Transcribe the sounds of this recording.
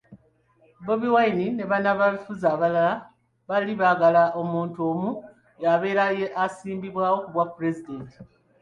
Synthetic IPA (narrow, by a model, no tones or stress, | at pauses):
bo̞βiwajinine̞βanaβaβifuzaːβalala | βaliβaɡalaʔo̞muːntuoːmu | jaβe̞ːɾajeʔasiːmbiβwaːwo̞kuβwapuɾe̞zide̞nti̥